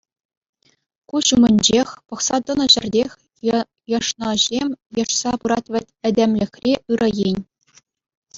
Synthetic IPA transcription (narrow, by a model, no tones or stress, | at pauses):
kuɕumʲɘ̆nʲd͡ʑexʲpɤ̆χsɑd̪ɤ̆nɤ̆ʑɘ̆rʲdʲexʲ | jɤ̆ʂnɤ̆ʑʲemʲjɤ̆ʂsɑpɯɾɑt̪ʲʋʲɘ̆tʲɘ̆dʲemʲlʲɘ̆xʲrʲeɯɾrʔɤ̆jenʲ